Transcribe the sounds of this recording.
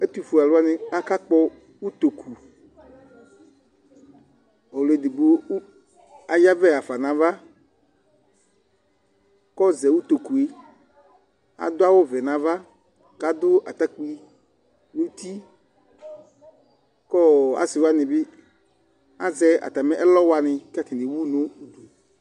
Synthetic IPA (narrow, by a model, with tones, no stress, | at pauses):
e˦t̪u˦fu˨a˨lʊ˦a˦nɪ̃˦a˦ka˦k͡pɔ˦ | wu˦t̪o˨kʰu˨ | o˨le˨d̪i˨ɡ͡bo˦ | a˨ja˦vɛ˦a˨fa˨nã˨˦va˦ | kɔ˦zɛ˨wu˦t̪o˨ku˨e˨ | a̰˨d̪ʊ˦a˦wo˦vɛ˨nã˨˦va˦ | ka˨d̪ʊ˦ʔa˨t̪a˦k͡pi˦ | nu˦t̪i˦ | kɔ˦a̰˨sɪ˨wa˦nɪ̃˨bɪ˦ | a˦zɛ˦a̰˨t̪a˨mɛ˦ʔɛ˦lɔ˦wa˨nɪ̃˨ka˦tɪ˨nɪ˨wu˦nõ˦˨